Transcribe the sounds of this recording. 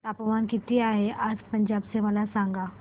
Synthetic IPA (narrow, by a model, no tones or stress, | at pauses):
t̪apəʋankit̪iːaɦeʔad͡zpəɲd͡ʑabseməlasaŋɡa